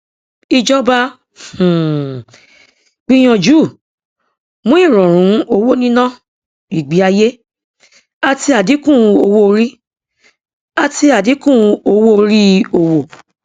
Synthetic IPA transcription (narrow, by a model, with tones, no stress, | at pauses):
i˧d͡ʒɔ˦ba˦ | h̩˨ | ɡ͡b̥ĩ˦j̃ɔ̃˧d͡ʒu˦˨ | mũ˦i˦˨ɾɔ̃˨ɾ̃ũ˨˦o˧wo˦nĩ˦nã˦˨ | i˨ɡ͡bi˨˦a˧je˦ | a˧ti˧a˨di˨˦kũ˦˨˧o˧wo˦˧ɾi˦ | a˧ti˧a˨di˨˦kũ˦˨˧o˧wo˦˧ɾi˦o˧wo˨